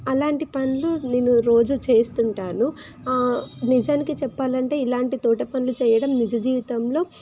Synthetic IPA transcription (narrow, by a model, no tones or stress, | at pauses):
ɐlaːɳʈipɐnuluneːnːuɾo̞ːd͡ʒut͡ʃe̞ːst̪uɳʈaːnu | nid͡ʒaːnikit͡ʃɛpːaːlɐɳʈe̞ːilaːɳʈit̪oːʈɐpɐnlut͡ʃɛːjɐɽɐmnid͡ʒɐd͡ʒiːʋit̪ɐmlo̞ː